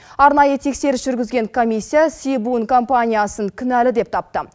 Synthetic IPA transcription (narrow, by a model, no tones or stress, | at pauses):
ɑɾnɑjət̪ʰe̞kse̞ɾɪsʒ̥ʏɾɡʲɪzɡʲe̞ŋkʰo̞mʲisʲːijasibunkʰo̞mpanʲijasəŋkʲʰʏnælɪd̪e̞p̚t̪ʰɑp̚t̪ə